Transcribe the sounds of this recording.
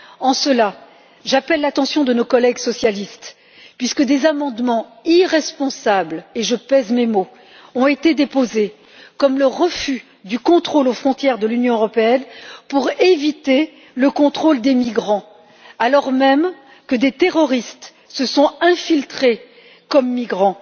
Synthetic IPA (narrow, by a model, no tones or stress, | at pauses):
ɑ̃səla | ʒapɛlːat̪ɑ̃sjɔ̃d̪ənokɔlɛɡsɔsjalist̪ | pɥiskəd̪ezamɑ̃d̪mɑ̃iʁɛspɔ̃sableʒəpɛzmemo | ɔ̃et̪ed̪epoze | kɔmləʁəfy | d̪ykɔ̃t̪χolofχɔ̃t̪jɛʁd̪əlynjɔ̃øʁɔpeɛnpuʁevit̪e | ləkɔ̃t̪χold̪emiɡʁɑ̃ | alɔʁmɛm | kəd̪et̪eʁɔʁist̪ | səsɔ̃ɛ̃filt̪χe | kɔmːiɡʁɑ̃